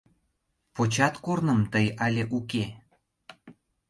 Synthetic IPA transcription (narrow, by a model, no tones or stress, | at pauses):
pot͡ɕɑt̪kornəmt̪əjɑlʲeʔuke